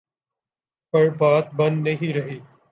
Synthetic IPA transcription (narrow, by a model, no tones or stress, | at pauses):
pɐɾbaːt̪̚bɐ̃nd̪nəɦiɾɐɦiː